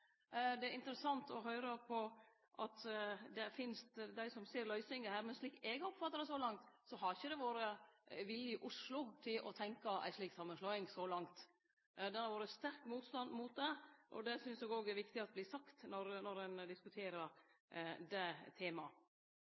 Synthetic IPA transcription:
d̪ɛæɾɪnt̪əɾəsɑnt̪ʰɔɦœʏɾəpʰɔ | ʔɑt̪d̪ɛfɪnst̪d̪æɪsɔmseːɾlœʏsɪŋəhæːɾmɛnʂɭiːkːɛɡɔpfɑt̪ːəɾəsɔlɑŋt̪sɔɦɑɾɪçəd̪ɛʋoːɾəʋɪljəɪʔʊʂlʊt̪ʰɪlʔɔ̰t̪ʰɛŋkɑæ̰ɪʂliːksɑmːənslœʏɪŋsɔlɑŋt̪ | d̪ɛhɑɾʋoːɾəst̪æɾkmuːt̪st̪ɑnd̪muːt̪̚d̪ɛʔɔ̰d̪ɛsʏnsɛːɡoːɡɛɾʋɪkt̪ɪɑt̪̚bliːsɑkt̪nɔɾnɔɾɛnd̪ɪskʉt̪ʰeːɾəɾ | d̪ɛt̪ʰeːmɑ

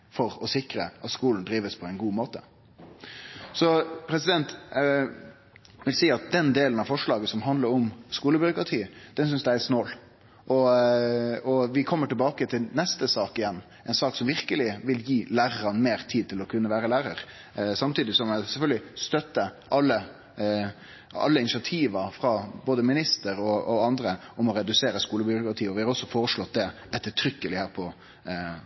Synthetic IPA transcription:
fɔɾɔsɪkɾə̰ʔɑt̪skuːln̩d̪ɾiːʋəspʰɔɛɪnɡuːmoːt̪ə | sɔpʰɾɛsɪd̪ɛnt̪ | ʋɪlsiːɑt̪̚d̪ɛnd̪eːlən̩ɑʋfɔʂɭɑːɡəsɔmɦɑnd̪ləɾɔmskuːləbʏɾʊkʁɑt̪ʰiːd̪̥ɛnsʏnsd̪ææsnoːl | ʔɔ | ɔʋɪkʰɔmːəʈɪlbɑːkət̪ʰɪlnɛst̪əsɑːkɪjɛnː | ʔɛɪnsɑːksɔmʋɪʁkəlɪʋɪljiːlæːɾəɾɑnmeːɾt̪ʰiːd̪̚t̪ʰɪlɔkʰʉnːəʋæːɾəlæːɾəɾ | sɑmt̪ʰiːd̪ɪsɔmɛsɛlfœlɡəlɪst̪œt̪ːəʔɑlːə | ɑ̰lːəɪnɪsɪɑt̪ʰiːʋɑfɾɑboːd̪əmɪnɪst̪əɾɔɔɑnd̪ɾəɔmɔɾɛd̪ʉseːɾəskuːləbʏɾʊkɾɑt̪ʰiːɔʋɪhɑɾɔsːɔfoːɾəʂlɔt̪̚ːd̪ɛ | ɛt̪ːət̪ʰɾʏkːəlɪhæːɾpʰɔ

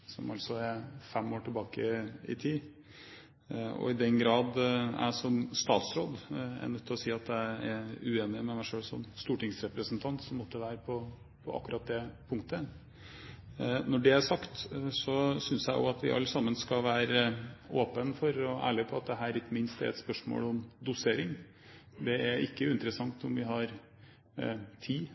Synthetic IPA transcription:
sɔ̰mɑlsɔɛɾfɛmːoːʈʰɪlbɑːkəɪ̰t̪ʰiː | ɔ̰ɪd̪ɛnɡɾɑːd̪æ̰ʂɔmst̪ɑ̰ːt̪sɾoːd̪ɛ̰nœt̪ʰːɪlɔsiːɑt̪d̪æɪɛʉeːnɪmɛmæɪʂøːɭsɔ̰mst̪uːʈɪŋsɾɛpɾəsənt̪ʰɑnt̪sɔmːɔt̪ːəəʋæːɾəpʰɔ | pʰɔʔɑ̰kːʉɾɑt̪̚d̪ɛpʰʊŋkt̪ə | nɔɖɛæʂɑkt̪sɔsʏnsjæɪʔɔ̰ɑt̪ʋɪ̰ʔɑ̰lːəsɑmːənskɑʋæːɾəoːpənfɔɾɔæ̰ːɭɪpʰɔɑt̪̚d̪ɛɦæːɾɪkːəmɪnst̪ɛ̰ɾɛ̰t̪spœʂmo̰ːlɔmd̪ʊseːɾɪŋ | d̪ɛæɾɪkːəʉɪnt̪əɾəsɑŋt̪ɔmʋɪɦɑɾ | t̪ʰiː

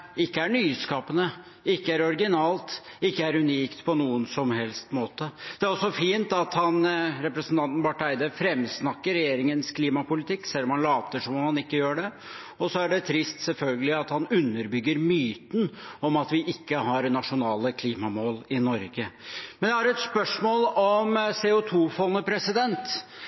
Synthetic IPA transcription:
ɪkːəæɳyːskɑːpənə | ɪkːəæɾɔɾɡɪnɑːlt̪ɪkːəæɾʉniːkt̪pʰɔnuːənsɔmhɛlst̪moːt̪əd̪̥ɛæɾɔsːɔfiːnt̪ɑt̪hɑnɾɛpɾəsən̩t̪ʰɑnt̪n̩bɑʈæɪd̪əfɾɛmsnɑkːəɾɛjeːɾɪŋənskʰliːmɑpʊlɪt̪ʰɪkːsɛlːɔmhɑnlɑːʋt̪əʂɔmɔmhɑnɪkːəjøːɖɛ | ɔsɔæɖɛt̪ʰɾɪst̪sɛlfœlɡəlɪɑt̪hɑnʉnːəɾbʏɡːəɾmyːt̪n̩ɔmɑt̪ʋɪʔɪkːəɦɑɾnɑʂʊnɑːləkʰliːmɑmoːlɪnɔɾɡəmmɛnjæhɑɾɛt̪spœʂmoːlɔmseːʊt̪ʰuːfɔnːəpʰɾɛsɪd̪ɛnt̪

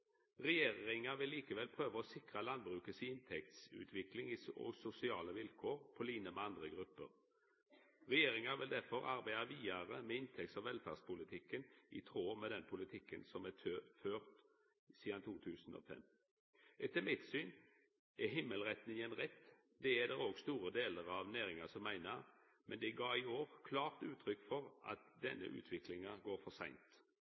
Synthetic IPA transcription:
ʁɛjeːʁɪŋəʋɪlːiːkəʋɛlpʰʁøːʋəɔsɪkʁəlɑnbʁʉːkəsiɪnt̪ʰɛk̚t̪sʉ̰ːt̪ʰʋɪklɪŋiːɔ̰ɡsʊsɪɑːləʋɪlkʰoːʁpʰɔliːnəmɛɑnd̪ʁəɡʁʉpːə̰ʁ | ʁɛjeːʁɪŋɑʋɪld̪æɾfɔɾʔɑɾbæɪəʋiːɑʁəmeːɪnt̪ʰɛk̚t̪sɔʋɛlfæ̰dspʊlɪt̪ʰɪkːənḭt̪ʰʁoːmeːd̪ɛnpʰʊlɪt̪ʰɪkːənsɔmɛt̪ʰøføːʁt̪ | siːd̪ɑnt̪ʰuːt̪ʰʉːsno̰fɛ̰m | ʔɛt̪ːəmɪt̪syːn | ʔɛɦɪmːəlʁɛt̪nɪŋənʁɛt̪ː | d̪ɛæd̪ɛɾoːɡst̪uːɾəd̪eːləɾɑʋnæːʁɪŋɑsɔmːæɪnə | mʔɛnd̪ɛɡɑːɪoːʁkʰlɑːʁt̪ʉːt̪ʰʁʏkːfɔʁʔɑ̰t̪d̪ɛ̰nːə̰ʔʉ̰ːt̪ʰʋɪklɪŋɑɡoːɾfɔsæ̰ɪnt̪

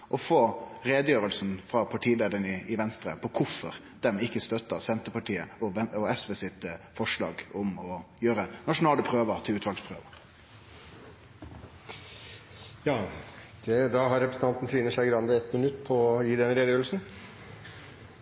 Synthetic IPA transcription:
ʔɔfoːɾeːd̪əjøːɾəlsnfɾɑpʰɑʈʰiːleːd̪ənɪɪʋɛnst̪ɾə̰pʰɔkʰʊfɔɾ | d̪̥ɛmɪkːəst̪œt̪ːəsɛnt̪əpɑʈʰiːəɔɔɛsʋeːsɪt̪əfɔʂlɑ̰ːɡʊmɔjøːɾənɑʂʊnɑːləpʰɾøːʋəʁt̪ʰɪlʉːt̪ʋɑlspʰʁøːʋə | jɑːd̪̥ɛd̪ɑɦɑɾɛpɾəsət̪ɑnt̪n̩t̪ʰɾiːnəʂæɪɡɾɑnd̪əɛt̪mɪnʉt̪ːpʰɔɔjiːd̪ɛnɾeːd̪əjøːɾəlsn̩

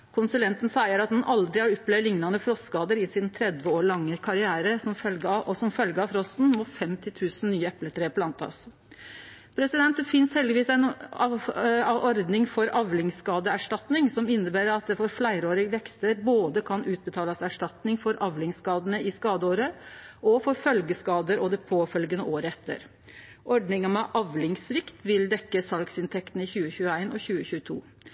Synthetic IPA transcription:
kʰʊnsʉlɛnt̪n̩sæɪəɾɑt̪̚d̪ɑnʔɑld̪ɾɪhɑɾɔpːlɛʋlɪŋnɑnəfɾɔskɑːd̪əɾɪsɪnt̪ʰɾɛd̪ʋəoːɭɑŋːəkʰɑɾɪæːɾəsɔmɔsɔmfœlɡəɾɑfɾɔst̪n̩mɔfɛmt̪ɪt̪ʰʉːsn̩nyːəɛplət̪ʰɾeːpʰlɑnt̪ʰɑ̰s | pʰɾɛsɪd̪ɛnt̪d̪ɛfɪnshɛld̪ɪʋiːsæɪn | ʔɔɾd̪nɪŋfɔɾɑʋlɪŋskɑːd̪əæʂʈɑt̪nɪŋsɔmɪnːəbæːɾəɾɑt̪̚d̪ɛfɔɾflæɪɾoːɾɪɡʋɛkst̪əɾboːd̪əkʰɑnʔʉːt̪̚bət̪ʰɑːləsæʂʈɑt̪nɪŋfɔɾʔɑʋlɪŋskɑːd̪ənəɪskɑːd̪əoːɾəʔɔfɔɾfœlɡəskɑːd̪əɾʔɔd̪ɛpʰoːfœlɡənəʔoːɾəɛt̪ʰːə̰ɾ | ʔɔɖnɪŋɑmɛʔɑʋlɪŋsʋɪkt̪ʋɪld̪ɛkːəsɑlksɪnt̪ʰɛkt̪n̩əɪçʉːəçʉːəæɪnʔɔçʉːəçʉːət̪ʰṵː

